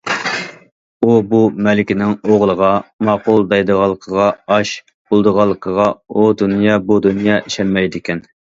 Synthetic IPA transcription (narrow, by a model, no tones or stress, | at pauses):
ubumɛlɪkʲɪnɪŋoʁlˠəʁɑmɑqʊlˠd̪ɑjd̪əʁɑlˠːəqʰəʁɑɑʃ | b̥olˠd̪əʁɑlˠːəqʰəʁɑud̪unjɑbud̪unjɑʔiʃɛlmɛjd̪ɪkʲʰɛn